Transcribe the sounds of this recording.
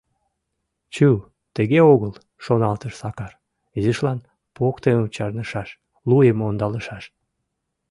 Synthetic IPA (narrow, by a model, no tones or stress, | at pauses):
t͡ɕu | t̪əɣeoɣəl | ʃonɑlt̪əʃsɑkɑr | izəʃlɑn | pokt̪emut͡ɕɑrnəʃɑʃ | lujemond̪ɑləʃɑʃ